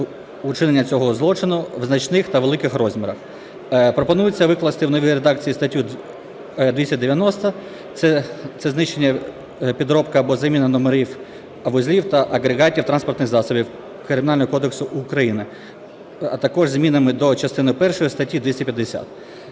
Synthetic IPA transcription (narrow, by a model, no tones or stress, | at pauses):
ʊt͡ʃɪnenʲːɐt͡sʲɔɦɔzlˠɔt͡ʃɪnʊʋznɐt͡ʃnɪxt̪ɐʋe̞lˠɪkɪxɾɔzʲmʲɪɾɐx | pɾɔpɔnujʊt͡sʲːɐʋɪklˠɐst̪ɪwnɔʋʲiɾed̪ɑk̚t͡sʲijist̪ɐtʲːu | d̪ʋʲisʲɐd̪eʋʲjɐnɔst̪ɐ | sɛt̪sɛznɪʃt͡ʃe̞nʲːɐ | pʲid̪ɾɔpkɐːbɔzɐmʲinɐnɔmeɾʲiw | ɐʋɔzʲlʲiwt̪ɐʔɐɡɾeɣɑtʲiwt̪ɾɑnspɔrt̪nɪxzɑsɔbʲiw | kɾemʲnɑlʲnɔɦɔkɔd̪eksʊʔʊkɾɐjinɪ | ɐ̰t̪ɐkɔʒzʲmʲinɐmɪd̪ɔt͡ʃɐst̪ɪnʊjpɛrʃɔjist̪ɐtʲːid̪ʋʲisʲɐpjɐd̪ːesʲa̰t̪̚